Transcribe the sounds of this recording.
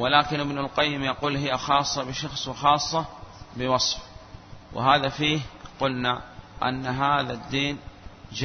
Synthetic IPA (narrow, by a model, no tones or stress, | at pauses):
wɪlaːkɪnʔɪbnalqajːɪmjɑquːlɦɪjːaxɑːsˤːɑbɪʃɑxsˤwɪxɑːsˤːɑbɪwɑsˤfwɪ̰ɦaːðafiːhqʊlnaʔa̰nːɦaːðad̪ːiːnd͡ʒ